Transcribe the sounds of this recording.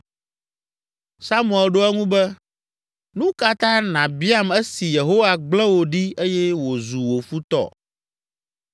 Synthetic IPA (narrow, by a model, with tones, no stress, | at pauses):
sa˦mũ˦˨ɛ˨lɖo˦ɛ˦ŋũ˦bɛ˦ | nũ˦ka˦t̪ã˦nã˨bi˦a˦mɛ˦si˨je˨ɦo˦wa˨ɡ͡blɛ̃˦wo˨ɖi˦e˦jɛ˦wo˨zu˨wo˨fu˦t̪ɔ̰˦